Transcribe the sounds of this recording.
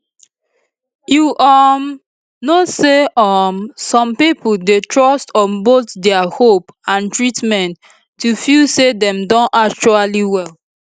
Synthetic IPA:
juʔɔm | noseʔɔmsɔ̃mpipuldetʰɹɔstɔ̃nbotdɛahopãntɹitmɛ̃ntː | ufilsedɛ̃mdɔ̃nʔak̚t͡ʃualiwɛl

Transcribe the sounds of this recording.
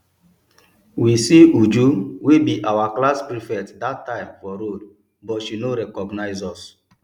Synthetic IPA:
wisiud͡ʒuwibiʔawaklaspɹifɛtdatːãɪ̃mfɔɾod | bɔtʃinoɾɛkɔɡnaɪzɔs

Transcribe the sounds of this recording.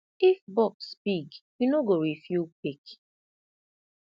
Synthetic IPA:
ifbɔkspikjunoɡoɹifjupik

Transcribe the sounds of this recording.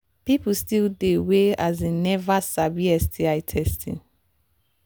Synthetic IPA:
pip̩stildeweazenɛvasabiɛstʰiaɪtʰɛstʰɪ̰̃n

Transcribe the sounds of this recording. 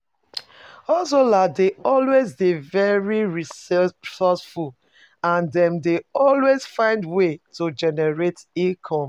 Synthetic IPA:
ɔsoladeɔlwezdevɛɹiɹisɔsful | ãndɛ̃mdeɔlwez̥fãɪ̃ndwetod͡ʒɛnɛɹetikʰɔ̃m

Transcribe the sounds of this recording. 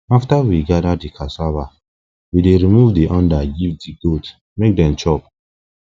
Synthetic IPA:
aftawiɡadadikʰasava | wideɹimuvdiʔãndaɡivdiɡot | mek̚dɛ̃mt͡ʃɔp̚

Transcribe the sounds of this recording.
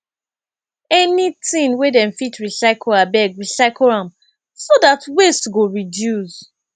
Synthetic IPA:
ɛnitĩnwedɛ̃mfitɹisaɪkoabɛɡɹisaɪkolãm | sodatwestɡoɹidjus

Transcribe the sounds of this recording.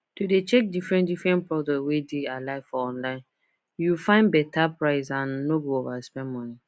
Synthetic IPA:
tudet͡ʃɛk̚difɹɛ̃ntdifɹɛ̃npɹɔdɔtwedealaɪfɔɔ̃nlãɪ̃n | jufãɪ̃nbɛtʰapʰɹaɪsãnːoɡoovaspɛ̃nmɔ̃ni

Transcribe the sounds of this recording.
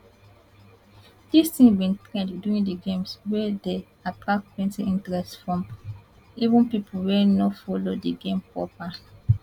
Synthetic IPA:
d̥istĩŋbĩntɹɛ̃ndduĩndiɡẽmswɛde | apʰak̚ɛ̃nsiʔĩntɹɛstfɹɔ̃m | ivũnpipʰuwɛnɔfɔlodeɡẽmpɹɔ̰pa

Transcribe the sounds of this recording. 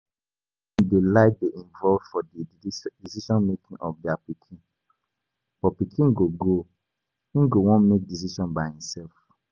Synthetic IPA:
ɛ̃ndelaɪt̚deʔĩɱvɔlvd̥fɔdidisiʃɔ̃nmekĩnʔɔfdiapikʰĩn | b̥ɔpikʰĩnɡoɡo | ĩnɡowɔ̃nmek̚dis̬iʃɔ̃nbaɪhĩmsɛlf

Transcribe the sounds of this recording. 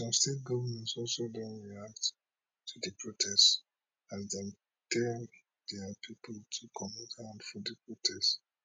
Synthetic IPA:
sɔ̃mstet̚ɡɔvəmɛ̃ntsɔlsodɔ̃nɹiak̚t | tʰudəpʰɹotʰɛst | ãndɛ̃m | tɛ | dɛapʰipʰəltʰukʰɔmɛ̃ntãnfɔ̃dəpɹotʰɛst

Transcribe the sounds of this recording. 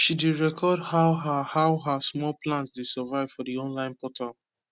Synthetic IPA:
ʃideɹɛkʰɔdhaʊɦahaʊɦasmɔlplãnsdesəvaɪv̥fɔdiɔ̃nlãɪ̃npɔtʰal

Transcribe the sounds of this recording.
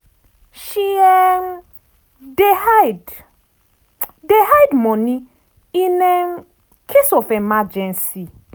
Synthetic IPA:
ʃiɛn | dehad | deɦajdmɔ̃ni | ĩnɛ | kʰesɔfɛmad͡ʒɛ̃nsi

